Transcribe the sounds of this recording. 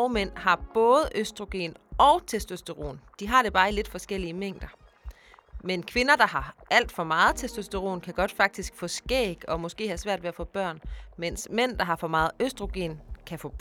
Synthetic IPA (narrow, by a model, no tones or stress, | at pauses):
ʊmen̰ɦɑ̈b̥ɔ̽ːð̞̩ˠəʔøsd̥ʁo̝ɡ̥e̝̰ːnʔɒ̽ʊt͡sʰesd̥øsd̥eʁo̝̰ːnd̥iɦɑ̈ɾ̥e̝b̥ɑ̈ːile̝d̥fɒ̽sɡ̥el̰iəmeŋ̰d̥ɐ | menkʰʋe̝nɐd̥ɑ̈ɦɑ̈æl̰d̥fɒ̽mɑ̈ːð̞̩ˠt͡sʰesd̥øsd̥eʁo̝̰ːnkʰæɡ̥ɒ̽d̥fɑ̈ɡ̥̚d̥isɡ̥fɒ̽sɡ̥ḛːɡ̥ɒ̽mɔ̽sɡ̥e̝̰ːhæsʋæɐ̰d̥ʋe̝æfɔ̰̽ːb̥ɶɐ̰nmen̰smen̰d̥ɑ̈ɦɑ̈fɒ̽mɑ̈ːð̩ˠøsd̥ʁo̝ɡ̥e̝̰ːnkʰæfɔ̰̥